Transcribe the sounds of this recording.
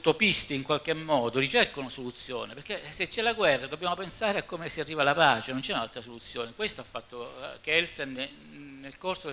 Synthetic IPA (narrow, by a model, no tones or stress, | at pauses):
t̪opist̪iːŋkwalkemːɔːd̪orit͡ʃerkonosolut̪sːjo̰ːneperkːeset͡ʃːɛlaɡwɛrːad̪obːjaːmopensaːɾeakːomesiarːiːvalapaːt͡ʃenont͡ʃɛunalt̪ɾasolut̪sːjoːnekwest̪oafːat̪ːokɛlsen | nːelkorsod̪